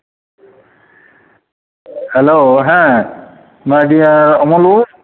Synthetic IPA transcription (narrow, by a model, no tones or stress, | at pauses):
hɛloɦɛ̃ | madijaɹɔmɔlu